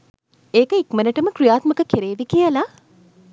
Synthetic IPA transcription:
eːkəikmənəʈəməkɾijaːt̪məkəkeɾeːʋikijəla

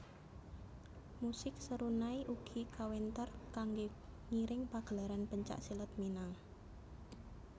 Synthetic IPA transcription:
musɪk̚səɾunaiʔuɡ̥ikawɛnt̪ərkaŋɡe | ŋiɾɪŋpaɡ̥ə̤laɾanpəɲt͡ʃa̰ʔsilət̪̚minaŋ

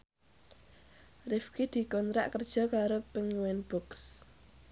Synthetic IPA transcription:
rɪfkid̪̥i̤kɔnt̪ɾaʔkərd̥ʒ̥ɔ̤kaɾopəŋiwɛnb̥ɔks

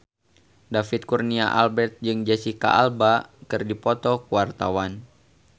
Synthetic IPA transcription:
dafit̪̚kurniaʔa̰lbɛrt̪̚d͡ʒɨŋd͡ʒasika̰ʔalbakɨrdipɔt̪ɔkuwart̪awan

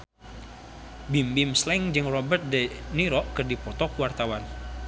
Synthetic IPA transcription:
bimbimslɛŋd͡ʒɨŋrɔbərt̪̚dɛniɾɔʔkɨrdipɔt̪ɔkuwart̪awan

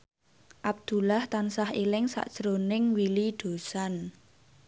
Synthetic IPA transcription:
ʔab̚d̪̥ṳlaht̪ansahilɪŋsa̰ʔd̥ʒ̥əɾonɪŋwiliɖ̪̥o̤san

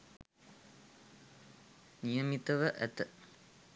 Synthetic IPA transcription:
nijəmit̪əʋəʔæt̪ə

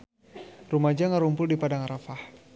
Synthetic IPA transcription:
rumad͡ʒaŋaɾumpʊldipadaŋaɾafah

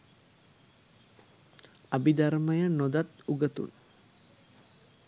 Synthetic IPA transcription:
abid̪arməjənːod̪at̪uɡət̪ṵn

